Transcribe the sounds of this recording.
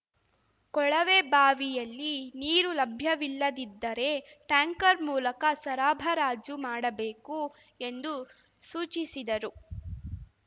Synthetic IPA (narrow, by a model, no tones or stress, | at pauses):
kɔɭɐʋeːbaːʋijɐlːiniːɾulɐbʱjɐʋilːɐd̪id̪ːɐɾe̞ | ʈaːŋkɐɾmuːlɐkɐsɐɾaːbʱɐɾaːd͡ʒumaːɽɐbe̞ːku | e̞nd̪u | suːt͡ʃisid̪ɐɾu